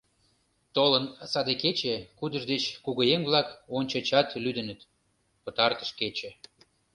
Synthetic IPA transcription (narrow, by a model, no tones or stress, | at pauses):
t̪olənsɑd̪eket͡ɕekud̪ə̆ʒd̪et͡ɕkuɣəjemβlɑkonʲt͡ɕə̆t͡ɕɑt̪lyd̪ənə̆t̪ | pət̪ɑrt̪ə̥ʃket͡ɕĕ